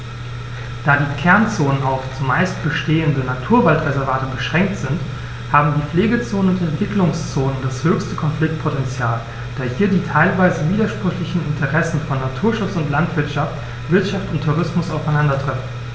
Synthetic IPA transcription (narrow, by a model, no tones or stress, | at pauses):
d̥aːdiːkʰɛɐnt͡soːnənaʊft͡sumaɪst̚b̥əʃteːəndənatʰuːɐvaltʁezɛɐvaːtəbəʃʁ̥ɛŋk̚tz̥ɪnt | haːbm̩diːfleːɡət͡soːnənʊntɛntv̥ɪklʊŋst͡soːnəndashøːçstəkʰɔnflɪk̚t̚pʰotɛnt͡sjaːl | d̥aːɐhiːɐdiːtʰaɪlvaɪzəviːdɐʃpʁ̥ʏçlɪçn̩ɪntʰəʁɛsn̩fɔnːatʰuːɐʃʊt͡sʊntlantv̥ɪɐtʃaft | v̥ɪɐtʃaftʊntʰːuʁ̞ɪsmʊsaʊfaɪnandɐtʁ̥ɛfn̩